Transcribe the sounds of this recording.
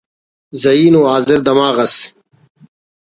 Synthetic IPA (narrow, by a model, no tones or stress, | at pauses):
zɐiːnoːaːzɪɾd̪ɐmaːɣɐs